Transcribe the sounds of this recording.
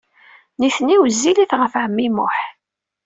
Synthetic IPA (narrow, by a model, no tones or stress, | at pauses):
niθniwzːiliθʁəfʕəmːimʊħ